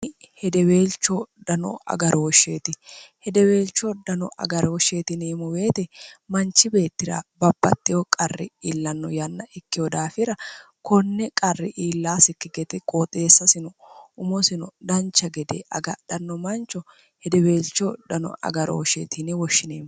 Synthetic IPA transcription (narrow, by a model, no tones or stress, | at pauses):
hɛd̪ɛwe̞ːlt͡ʃːɔd̪ɐnɔ̰ɐ̰ɡɐɾowɔʃːeːt̪ɪhɛd̪ɛweːlt͡ʃːɔd̪ɐnɔʔɐ̰ɡɐɾwɔʃːeːt̪ɪneːmɔweːt̪ɛmɐnt͡ʃːɪbe̞ːt̪ːɪɾa̰ːbɐbːɐ̰t̪ʼːɪjɔkʼɐrːɪ̰ilːɐnːɔjɐnːɐʔɛkːɪjɔd̪aːfɪɾɐ | kɔnːɛkʼɐrːɪʔiːlːaːsɪkːɪɡɛt̪ɛkʼoːt̪ʼeːsːɐsɪnɔʊmɔsɪnɔd̪ɐnt͡ʃːɐɡɛd̪eʔɐ̰ɡɐd̪̥ɐnːɔmɐnt͡ʃːɔ | hɛd̪ɛwe̞ːlt͡ʃːɔd̪ɐnɔ̰ʔɐ̰ɡɐɾo̰ːʃeːt̪ɪnɛwɔʃːɪneːm